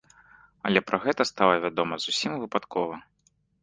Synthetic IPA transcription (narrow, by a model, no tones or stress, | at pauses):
ɐ̰lʲɛpɾʔɐɣɛt̪ɐst̪alˠɐvʲad̪ɔmɐzusʲimvɨpat̪kɔvɐ